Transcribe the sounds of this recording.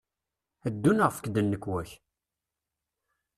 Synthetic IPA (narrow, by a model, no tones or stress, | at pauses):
æd̪ːunʁəfə̥kd̪ənːəkːwæç